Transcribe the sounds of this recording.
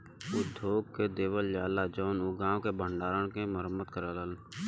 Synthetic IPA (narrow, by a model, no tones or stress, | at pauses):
ʊd̪ʱoːɡked̪eːwəljaːlad͡ʒɔːnuɡaːõkebəɳɖaːɾəɽkeməɾəmːəd̪̚kəɾaːləl